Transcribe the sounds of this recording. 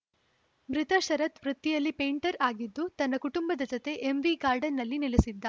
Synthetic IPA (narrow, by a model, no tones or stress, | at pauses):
mɾit̪ɐʃɐɾɐt̪ʋɾut̪ːijɐlːipe̞ːɳʈɐɾaːɡid̪ːut̪ɐnːɐkuʈumbɐd̪ɐd͡ʒɔt̪e̞ʔemʋiɡaːɾɖɐnːɐlːinilesid̪ːɐ